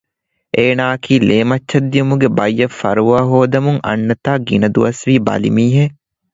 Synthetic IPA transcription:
ʔeːnaːɐkʰiːleːmɐt͡ʃːʃːɐd̪ːijumuɡebɐjːɐfɐ̰ɾuʋaːɦoːd̪ɐmuŋɐ̰nːɐt̪aːɡinɐd̪uʋɐsʋiːbɐ̰lḭmiːɦe

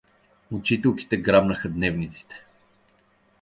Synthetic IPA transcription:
ot͡ʃit̪ɛlˠki̥t̪ɛɡɾabnəxəd̪nɛvnit̪si̥t̪ɛ̥

